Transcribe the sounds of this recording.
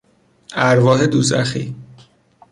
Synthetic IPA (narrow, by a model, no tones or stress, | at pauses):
æɾvɒːɦed̪uzæ̰xi